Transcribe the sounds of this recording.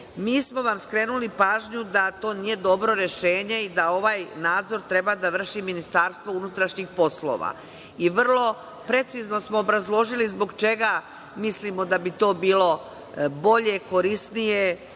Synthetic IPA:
miːsmo̞ʋamskɾe̞ːnulipaːʒɲud̪at̪o̞ːnije̞d̪o̞bɾo̞ɾe̞ʃe̞ːɲe̞id̪ao̞ʋaːjnaːd̪zo̞ɾt̪ɾe̞bad̪aʋr̩ʃiminist̪aːɾst̪ʋo̞unut̪ɾaʃɲixpo̞slˠo̰ʋa̰ | iʋr̩lˠo̞ | pɾe̞t̪sizno̞smoːbɾazlˠo̞ʒilizbo̞ɡt͡ʃe̞ɡa | mislimo̞d̪abit̪o̞ːbiːlˠo̞ | bo̞ʎe̞ko̞ɾisnije

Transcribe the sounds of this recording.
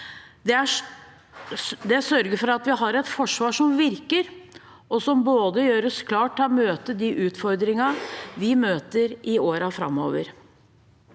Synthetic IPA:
d̪ɛæʂ | d̪ɛsœɾɡəfɔɾɑt̪ʋɪɦɑɾɛt̪fɔʂʋɑːʂɔmʋɪɾkəɾ | ʔɔsɔmboːd̪əjøːɾəskʰlɑːʈʰːɑmøːt̪əd̪ɪʔʉːt̪fɔɾd̪ɾɪŋɑʋɪmøːt̪əɾɪoːɾɑfɾɑ̰mːo̰ːʋəɾ

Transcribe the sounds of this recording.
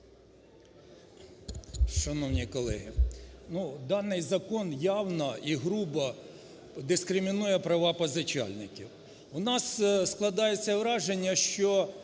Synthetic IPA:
ʃɐnɔwnʲikɔlˠɛ̰ɦinud̪ɑnɪjzɐkɔnjɑwnɐiɦɾubɐ | d̪ɪskɾɪmʲinujɛpɾɐʋɑpɐzɐt͡ʃɑ̰lʲnɪkʲiw | ʊnɑssklˠɐd̪ɑjet͡sʲːɐʋɾɑʒenʲːɐʃt͡ʃɔ

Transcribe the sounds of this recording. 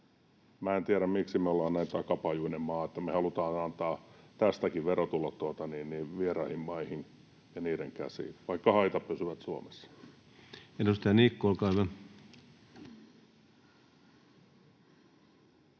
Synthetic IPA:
mæːent̪iæɾæmmiksimeolːɑːnnæint̪ɑkɑpɑjuinemmɑːet̪ːæmehɑlut̪ɑːnɑnt̪ɑːt̪æst̪ækiʋʋerot̪ulːɑt̪t̪uot̪ɑniːnniːʋierɑihimmɑihin | jɑniːɾeŋkæ̰sḭːʋɑikːɑhɑit̪ɑppysyʋæt̪suo̰mesːɑ̥ | enust̪æniːkːuolkɑˑiʋæ

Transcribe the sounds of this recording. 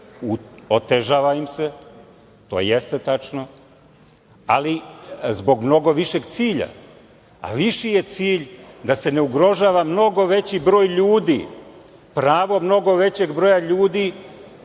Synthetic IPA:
uot̪eʒaːʋaimse | t̪o̰jest̪et̪at͡ʃno̞ | a̰lizbo̞ɡmno̞ɡo̞ʋiʃe̞ɡt̪siːʎa̰ | a̰ʋiʃije̞t̪siːʎd̪ase̞ne̞uɡɾo̞ʒaːʋamno̞ɡo̞ʋe̞t͡ɕibɾo̞ːjʎuːd̪ḭ | pɾaːʋo̞mno̞ɡo̞ʋe̞t͡ɕe̞ɡbɾo̞jaʎuːd̪i

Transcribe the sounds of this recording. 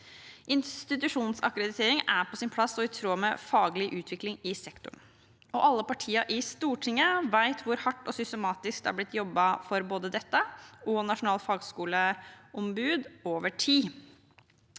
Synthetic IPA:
ʔɪnst̪ɪt̪ʉʂuːnsɑ̰kɾəd̪ɪt̪ʰeːɾɪŋæɾpʰɔsɪnpʰlɑsɔɪt̪ʰɾoːmɛfɑːɡlɪʔʉːt̪ʰʋɪklɪŋɪsɛkt̪ʊɳ | ɔʔɑlːəpɑʈʰiːəʔɪst̪uːʈʰɪŋːəʋæɪt̪ʰʋʊɾhɑʈːɔsʏst̪əmɑːt̪ɪsk̚d̪æ̰ɾblɪt̪ːjɔbːɑfɔɾboːd̪əd̪ɛt̪ːəʔɔnɑʂʊnɑːlfɑːɡskuːləɔmbʉːd̪oːʋəʈʰiː

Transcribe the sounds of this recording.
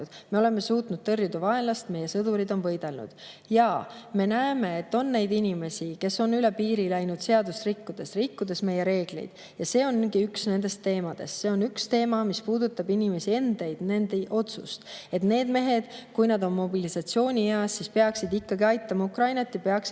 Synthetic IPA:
d̪̥me̞o̞le̞me̞suːt̪nud̪̥t̪ɤ̞rjud̪̥ɑvɑe̞nlɑst̪me̞je̞sɤd̪̥uɾid̪o̞nvɤ̞jd̪̥e̞lnṵd̪̥ | jɑme̞næeme̞et̪ːo̞nːe̞jd̪inʲime̞sʲike̞so̞nyle̞piːɾilæjnud̪̥se̞ɑd̪usrikːud̪̥e̞srikːud̪̥e̞sme̞je̞ɾe̞ːɡ̥lḛjd̪̥ | jɑse̞ːo̞nɡiyksne̞nd̪̥e̞st̪e̞ːmɑd̪̥e̞̰sse̞o̞nykst̪e̞ːmɑmispuːd̪ut̪ːˑɑbinʲime̞sie̞nd̪̥e̞jd̪̥ne̞nd̪eʔo̞t̪sṵst̪e̞t̪ne̞ːd̪me̞ɦe̞d̪̥kujnɑd̪o̞nmo̞bilisɑt̪sio̞ːnʲieɑsːispe̞ɑksid̪ikːɑɡiɑjt̪ːˑɑmɑukɾɑjnɑt̪ːjɑpeɑks

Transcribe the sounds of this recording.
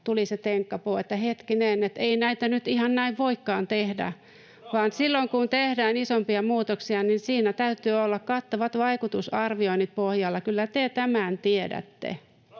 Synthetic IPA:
t̪uliset̪eŋkːɑpoːet̪ːæhet̪kineːnet̪einæit̪ænyt̪ihɑnnæiʋʋoikːɑːnt̪ehdæ̰ | ʋɑːnsilːoŋkunt̪ehdæːnisompiɑmuːt̪oksiɑninsiːnæt̪æyt̪yːolːɑkkɑt̪ːɑʋɑt̪ʋɑikut̪usɑrʋioinit̪̚pohjɑlːɑkylːæt̪et̪æmænt̪iedæ̰t̪ːḛ

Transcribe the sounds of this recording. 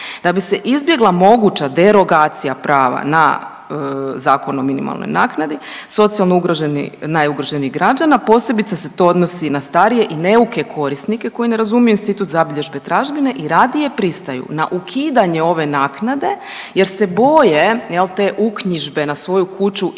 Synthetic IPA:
d̪abiseʔizbje̞ɡlˠamo̞ɡut͡ɕad̪e̞ɾo̞ɡaːt̪sijapɾaːʋa̰na̰ | əzaːko̞nominḭma̰lˠno̰jnaːknad̪i | so̞t̪sijalˠnouɡɾoʒenḭnajuɡɾoʒeniɣɡɾad͡ʒanapo̞ːse̞bit̪saset̪o̞od̪nosinast̪aɾije̞ʔine̞uke̞kʰo̞ɾisnike̞ko̞jineɾazumijuinst̪it̪ut̪zabiʎe̞ʒbe̞t̪ɾaʒbine̞ʔiɾad̪ije̞pɾist̪ajṵna̰ʔukʰiːd̪aɲe̞o̞ʋe̞naːknad̪e̞ | je̞ɾse̞bo̞jejelˠt̪e̞ːʔukɲiʒbe̞nasʋo̞jukut͡ʃu

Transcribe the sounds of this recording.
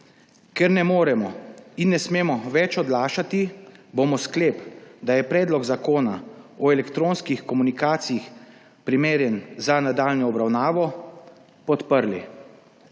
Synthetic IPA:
kɛɾnɛmoːɾɛmɔinːɛsmeːmɔʋɛt͡ʃɔd̪laːʃat̪iboːmɔskleːpd̪ajɛpɾɛːd̪lɔɡzakoːnaɔɛlɛkt̪ɾoːnskixkɔmunikaːt̪sijix | pɾimeːɾjɛnzanad̪aːlnɔːbɾawnaːʋɔ | pɔt̪pəɾlḭ

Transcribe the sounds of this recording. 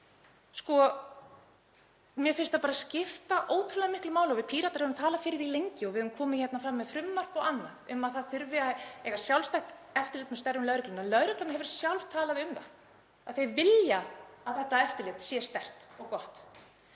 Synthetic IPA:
skɔ | mjɛfɪnst̪apaːɾascɪft̪aʔoːwt̪ʰɾʏlaðmɪhklʏmaːwlaɔvɪðpʰiːɾat̪aɾ̥hɛvʏmt̪ʰaːlafɪːɾɪɾilejɲcɪɔɣvɪðœðvʏmkʰɔːmɪçɛt̪nafɾamːɛðfɾʏmːar̥pawanːaðʏmaðθaðfʏɾvɪaɛjɣḁsjawlst̪ajht̪ɛft̪ɪɾlɪt̪mɛst̪ɛrʏmlœːɾʏklanalœɥɾʏklanaɦɛvɾ̥sjawlv̥t̪ʰaːlaðɪʏmθa̰ð | aðθejvɪljaaðθɛht̪ːaɛft̪ɪɾlɪt̪sjɛst̪ɛr̥t̪ɔɣkɔht̪

